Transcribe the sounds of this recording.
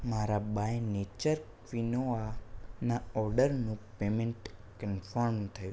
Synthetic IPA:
maɾabajnet͡ʃəɾ | ʋinoanaɔɾɖəɾnũpemẽɳʈ | kənfəɾmt̪ʰəjũ

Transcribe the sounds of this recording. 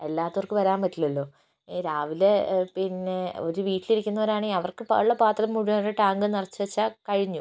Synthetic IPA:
e̞lːaːt̪ːɐʋɐrkɨʋɐɾaːmbɐtːilɐlːo̞ː | ɾaːʋilepinːe̞o̞ɾuʋiːʈːiliɾikʲːunːɐʋɐɾaːɳeɐʋɐrkɨpɐ̰ɭːɐpaːt̪rɐɐmːuɻuɾeʈaːŋɡɨnirɐt͡ɕːuʋɐt͡ɕːakɐɻiɲːu

